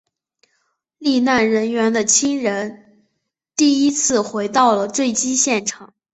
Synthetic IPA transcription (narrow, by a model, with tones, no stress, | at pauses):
li˥˧na˥˩nɻə˧˥nɥɛ˧˥nd̪ə˧˨t͡ɕʰi˥ŋɻə˧˥n | t̪i˥˩i˥t͡sʰɹ̩˥˩xwe˧˥ɪt̪ɑ˥˩ʊlə˩t͡swe˥˩ɪt͡ɕi˥ɕjɛ˥˩nʈ͡ʂʰɑ˨˩˦ŋ